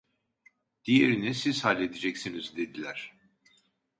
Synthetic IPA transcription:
d̪̥ije̞ɾinisiz̥halʲːe̞d̪id͡ʒɛcsinizd̪e̞d̪ilʲæɾ̥

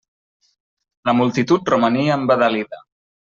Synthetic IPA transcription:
ləmulˠt̪it̪ut̪̚rumaniəːmbəðaliðə

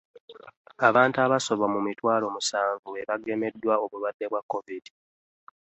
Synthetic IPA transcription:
aβaːntaβaso̞βamumitwaːlo̞musaːɱvue̞βaɡe̞me̞dːwaoβulwadːe̞βwakːo̞vidi

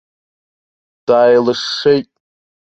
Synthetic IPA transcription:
d̥aːjlɨʂːejtʼ

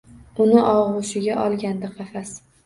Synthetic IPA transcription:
ʊnɪʔɒʁʊʃɪɡʲaʔɒlˠɡʲand̪ɪqɑfas

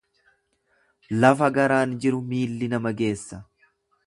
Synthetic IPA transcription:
lɐfɐɡɐɾaːnd͡ʒɪɾʊmiːlːɪnɐmɐɡe̞ːsːɐ

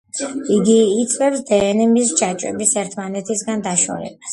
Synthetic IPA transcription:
iɡiːt̪sʼvɛpsd̪ɛːnɛmist͡ʃʰat͡ʃʼɛ̰bisɛɾt̪ʰmanɛt̪ʰisɡand̪aʃɔ̰ɛ̰bas

